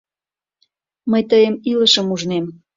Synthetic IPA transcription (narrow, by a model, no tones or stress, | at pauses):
məjt̪əjəmiləʃəmuʒnem